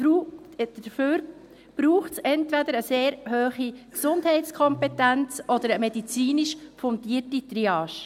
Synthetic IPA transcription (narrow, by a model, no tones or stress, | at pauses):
u | d̥əføːɾ | b̥ɾuːχtsɛntʋɛdəɾəseːɾhøːχiksʊnd̥hɛɪtt͡skʰɔmpɛtænt͡sʔɔd̪əɾəmɛdit͡siːniʃfʊntiːrtit̪ɾiɑːʃ